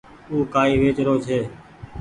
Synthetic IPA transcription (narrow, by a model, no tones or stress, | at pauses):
uːkaːiːʋeːt͡ʃɾoːt͡ʃʰeː